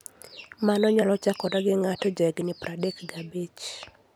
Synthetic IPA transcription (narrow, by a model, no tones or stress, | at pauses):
manɔɲalɔt͡ʃakɔdɔɡɪŋatɔd͡ʒɔɛɡnɪpradɛkɡabet͡ʃ